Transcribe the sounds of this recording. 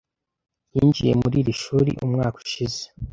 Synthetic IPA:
jiːnd͡ʒije̞muɾiːɾiʃuːɾḭʔumŋaːku̥ʃize̥

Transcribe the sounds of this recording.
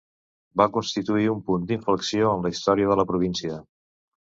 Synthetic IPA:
bakunst̪it̪uiumpund̪iɱfləksioənləist̪ɔɾiəðələpɾuβ̞insiə

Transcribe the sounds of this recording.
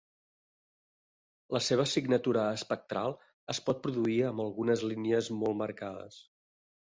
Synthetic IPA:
ləseβ̞əsiɡnət̪uɾəːspək̚t̪ɾalˠ | əspɔt̪̚pɾuðuiəmbəlˠɣunəzliniəzmɔlˠməɾkaðə̰s

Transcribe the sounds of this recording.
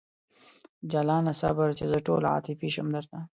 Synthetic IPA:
d͡ʒalɑːnasa̰baɾt͡ʃezəʈo̰lɑ̰ːt̪ifiʃəmd̪əɾt̪a

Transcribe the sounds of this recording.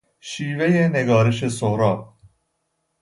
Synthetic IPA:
ʃiːvejene̞ɡɒːɾe̞ʃesoɾɒː

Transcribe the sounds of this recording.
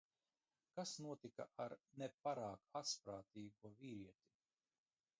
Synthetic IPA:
kasnuɔt̪ika̰ʔaɾnepaɾaːkat̪spɾaːt̪iːɡuɔviːɾiɛt̪i̥

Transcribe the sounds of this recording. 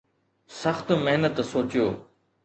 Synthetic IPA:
sɐxt̪meɦnət̪soːt͡ɕijoː

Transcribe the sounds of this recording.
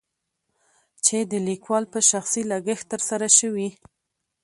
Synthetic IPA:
t͡ʃed̪əlikwɑlpəʃaxsilaɡəxt̪əɾsaɾaʃəwi

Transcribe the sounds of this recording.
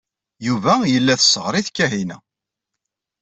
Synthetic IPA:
juvæjəlːæθəsəʁɾiθkːæɦinæ

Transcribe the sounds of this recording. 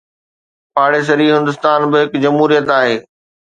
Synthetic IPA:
pʰaːɽes̬ɐɾiːɦɪ̃nd̪ʊst̪aːnbɪɦɪkd͡ʑɐmɦuːɾijət̪aːɦeː

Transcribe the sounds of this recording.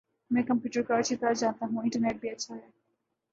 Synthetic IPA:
mɛ̃ːkɐ̃mpjuːʈəɾkat͡ʃʰit̪ɐɾad͡ʒaːnt̪aɦũɪ̃ɳʈəɾneːʈ̚bʱiɐtːʃʰaɦɛː

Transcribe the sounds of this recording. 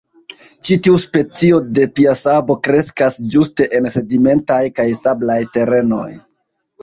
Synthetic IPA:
t͡ʃitiuspe̞t͡sio̞de̞piasabo̞kɾe̞skasd͡ʒuste̞ʔense̞dime̞ntajkajsablajte̞ɾe̞no̞̰j

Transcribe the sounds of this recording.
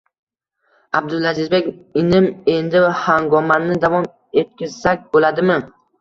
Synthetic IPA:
ab̚d̪ʊlazɪzbe̞kʲɪnɪme̞nd̪ɪvahaŋɡɒmanːɪd̪avɒm | e̞t̪̚kʲɪzsak̚ʲbolad̪ɪmɪ

